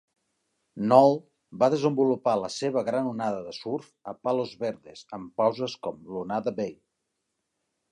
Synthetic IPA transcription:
nɔlˠ | baðəzəmbulupaləseβ̞əɣɾanunaðəðəsuɾfəpalozβeɾðez̥əmpawzəskɔmlunaðəbej

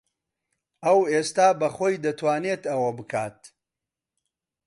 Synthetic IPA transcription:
ɐweːst̪aːbɐχoːjd̪ɐt̪ʰwaːnet̪ɐwɐbɨkʰaːt̪̚

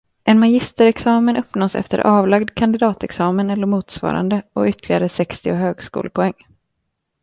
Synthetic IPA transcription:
ʔɛnmajɪst̪əɾɛksɑːmənɵpːnoːsɛ̰ft̪ə̰ɾʔɑːvlaɡd̪kʰand̪ɪd̪ɑːt̪ɛksɑːmənɛlːəɾmuːt̪svɑ̰ːɾa̰nd̪əɔ̰ʏt̪ʰːlɪɡaɾəsɛkst̪ɪʊɦøːɡskṵːləpʰɔɛŋː

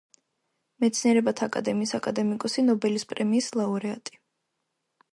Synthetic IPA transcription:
mɛt̪sʰniɛɾɛbat̪ʰaːkʼa̰d̪ɛmiːsakʼad̪ɛmikʼɔsinɔbɛlispʼɾɛmiːslˠauɾɛat̪ʼi̥

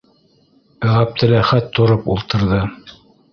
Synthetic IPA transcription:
ʁæp̚t̪ʰɘ̆læχæt̪ʰːŏɾɤpulˠt̪ɤ̆ɾðɤ

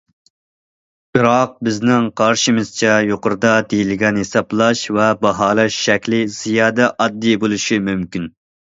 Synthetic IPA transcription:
b̥ɨɾɑq̚bɪznɪŋqʰɑɾʃimɨz̥t͡ʃʰɛjoqʊɾd̪ɑd̪ejilɪɡʲɛnɦesɑblˠɑʃvɛbɑɦɑːlˠɑʃːɛkʲlɪz̥ijɑːd̪ɛʔɑd̪ːibolˠuʃimymkʲin

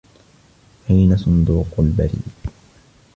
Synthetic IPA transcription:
ħijnasʊnd̪uːqʊlba̰ɾḭːd̪

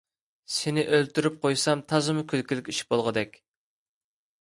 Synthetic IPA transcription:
sɪnɪʔølt̪yɾyp̚qʰojsɑmt̪ʰɑzɨmʊkʲʰylkʲilɪkʲiʃbolˠʁəd̪ɛkʲ

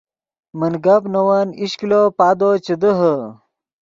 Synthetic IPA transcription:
mənɡɐpnɐwɐniɕklopaːd̪ot͡ɕəd̪əɦə

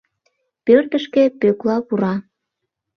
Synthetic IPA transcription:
pørt̪əʃkepøklɑpuɾɑ

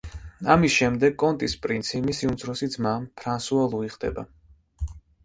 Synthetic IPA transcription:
amisʃɛmd̪ɛɡ̚kʼɔnt̪ʼispʼɾinsʰimisiunt̪zʰɾɔsit̪smampʰɾansualˠuiχd̪ɛ̰ba

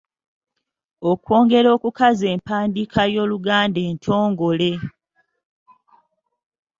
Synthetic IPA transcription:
okwo̞ːŋɡe̞ɾo̞ːkukaze̞ːmpaːndikʰajo̞ːluɡaːnde̞ːntʰo̞ːŋɡo̞le̞

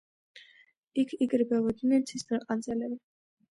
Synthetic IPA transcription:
ikʰiɡɾibɛvɔd̪inɛɾt̪sʰist̪ʰʼɛqʼand̪zɛlɛbi

